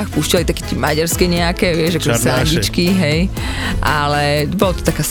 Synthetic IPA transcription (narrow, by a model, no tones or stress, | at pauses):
xpuʃcɛlit̪akɛt̪ɛmaɟaɾskɛɲɛakɛʋɪɛʒakɔʒɛsɛlɛɲd͡ʑit͡ʃkiɦɛj | ʔalɛbɔlɔt̪ɔ̥t̪akaːs